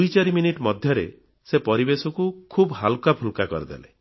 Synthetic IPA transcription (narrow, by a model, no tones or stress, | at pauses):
ujt͡ʃaɾiminiʈmɔd̪ʱjɔɾe | sepɔɾibesɔkukʰubɦalkapʰulkakɔɾid̪ḛle